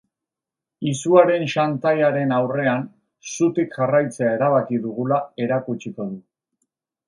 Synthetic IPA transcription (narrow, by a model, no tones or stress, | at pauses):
isuaɾe̞nʃant̪ajaɾe̞nawre̞an | sut̪ikʝarajt͡se̞ae̞ɾaβ̞akiðuɣ̞ulae̞ɾakut͡ʃiko̞ðu